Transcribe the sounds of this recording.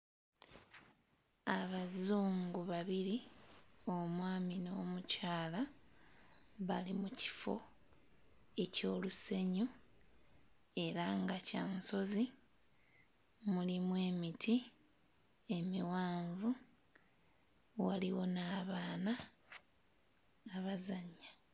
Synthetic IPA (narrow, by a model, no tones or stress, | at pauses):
aβazuːŋɡuβaβiɾi | o̞mwaːmino̞ːmucaːla | βalimuci̥fo̞̰ | e̞co̞ːluse̞ɲu | e̞ɾaŋɡacaːnso̞zi | mulimwe̞ːmitʰi | e̞miwaːɱvu | waliwo̞naːβaːna | βazaɲːa